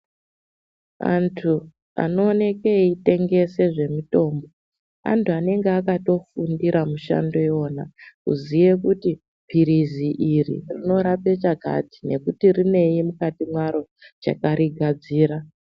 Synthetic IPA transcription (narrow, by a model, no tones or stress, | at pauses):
a̰ntʰu | a̰no̞ːne̞keite̞ŋɡe̞se̞ʐe̞mito̞ːmbo̞ | a̰ntuane̞ŋɡeakato̞fundiɾʔamuʃa̰ndo̞jo̞ːnakṵzijekuti | pʰiɾiziʔirḭrino̞ɾape̞t͡ʃaɡʱa̰ti̥ne̞kutirine̞jimukatimwaɾo̞ | t͡ʃa̰kaɾiɡʱad͡ziːɾa